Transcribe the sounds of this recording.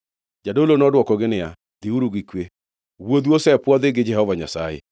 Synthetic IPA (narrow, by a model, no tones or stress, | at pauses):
d͡ʒadolonɔdwɔkɔɡɪnɪa̰ | d̪ɪuɾuɡikwe | wod̪wosɛpwɔd̪ɪɡɪd͡ʒɛhɔvaɲa̰sajḛ